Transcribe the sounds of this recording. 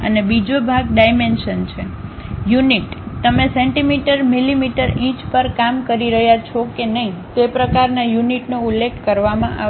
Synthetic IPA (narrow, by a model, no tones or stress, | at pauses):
ə̰nebid͡ʒobʱaɡ̚ɖajmenʃənt͡ʃʰejuniʈt̪əmẽsɛ̃ɳʈimiʈəɾmilimiʈəɾĩt͡ʃpəɾkamkəɾiɾəɦjat͡ʃʰɔkenəɦĩt̪epɾəkaɾnajuniʈnoulːekʰkəɾʋamãʔa̰